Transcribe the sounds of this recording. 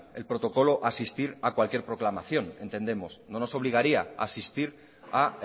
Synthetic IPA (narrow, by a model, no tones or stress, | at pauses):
e̞lpɾo̞t̪o̞ko̞lo̞ʔasist̪iɾakwalkje̞ɾpɾo̞klamaθjo̞ne̞nt̪e̞nd̪e̞mo̞sno̞no̞so̞βliɣ̞aɾiaa̰sist̪iɾ | a